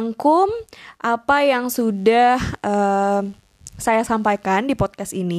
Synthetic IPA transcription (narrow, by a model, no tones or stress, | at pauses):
ŋkʊmʔapajaŋsudahʔə | sajasampajkandipɔt̪̚kasini